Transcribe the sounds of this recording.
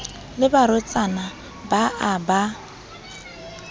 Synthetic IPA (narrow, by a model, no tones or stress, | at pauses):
lɪbaɾʊt͡sʼana | baʔaba